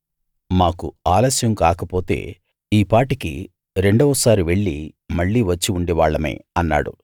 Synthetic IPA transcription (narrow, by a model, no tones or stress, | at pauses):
maːkuaːlɐsjɐmkaːkɐpo̞ːt̪e̞̰ː | iːpaːʈikḭ | ɾe̞ɳɖɔʋɐsaːɾiʋe̞ɭːimɐɭːiːʋɐt͡ʃːiuɳɖiʋaːɭːɐmḛːɐnːa̰ːɽṵ